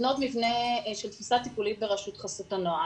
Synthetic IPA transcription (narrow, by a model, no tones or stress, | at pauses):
not̪mivne̞ʃelt̪fisat̪ipulit̪̚beʁaʃut̪χasot̪anoa